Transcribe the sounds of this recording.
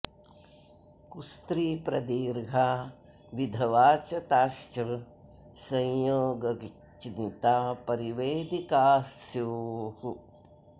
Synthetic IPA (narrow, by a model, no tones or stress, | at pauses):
kust̪ɾiːpɾɐd̪iːɾɡʱaː | ʋid̪ʱɐʋaːt͡ʃɐt̪aːʃt͡ʃɐ | sɐ̃jjoːɡɐɡi | t͡ʃint̪aːpɐɾiʋeːd̪ikaːsjoːhu